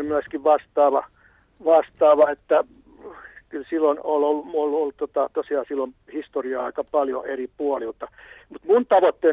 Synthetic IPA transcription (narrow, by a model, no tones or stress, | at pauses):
myæskiʋʋɑst̪ɑːʋɑ | ʋɑst̪ɑːʋɑet̪ːæ | kylsilːonololːumololːtt̪ot̪ɑt̪osiɑːsilːom | hist̪oriɑɑ̰ikɑpɑljo̰eripuolilt̪ɑmut̪munt̪ɑʋot̪ːe